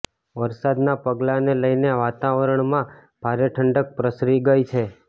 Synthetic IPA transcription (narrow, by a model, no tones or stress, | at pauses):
ʋəɾsad̪napəɡlaneləjneaʋat̪aʋəɾəɳmã | b̥ʱaɾeʈʰəɳɖək̚pɾəsɾiɡəjt͡ʃʰe